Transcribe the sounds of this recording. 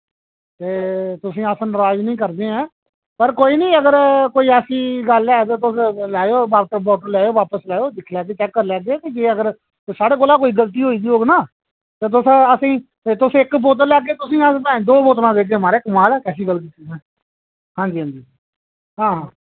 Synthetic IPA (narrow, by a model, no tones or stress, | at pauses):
t̪eːt̪ʊsĩːəsnɾaːd͡ʒnəĩːkəɾd̪eːɛ̃ː | pəɾkoːiːnĩːəɡəɾkoːiːɛːsiːɡəlɛːt̪̬eːt̪̬ʊslɛːoːbaːbɔːʈəɾlɛːoːʋaːpəslɛːoːd̪ɪkʰlɛːɡeːt͡ʃɛːkːəɾlɛːɡeːt̪eːd͡ʒeːəɡəɾ | saːɽeːkoːlaːkoːiːɡəlt̪̬iːɦoːiːɡ̪iːɦoːɡnaː | t̪eːt̪̬ʊsəsĩː | t̪ʊsɪkboːt̪̬əɾlɛːɡeːt̪ʊsĩːəspɛ̃ːd̪oːboːt̪lãːʋeːɡeːmaːɾeːkmaːlɛːkɛːsiːɡəlk̬iːt̪ʰːiɛː | hãːd͡ʒiːãːd͡ʒiː | ɦãːɦãː